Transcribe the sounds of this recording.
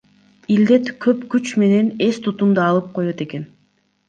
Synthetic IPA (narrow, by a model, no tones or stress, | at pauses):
ild̪e̞t̪kʰøpkyt͡ʃme̞ne̞ne̞st̪ʰut̪und̪ɑɑlˠɯp̚qʰo̞jo̞t̪e̞ke̞n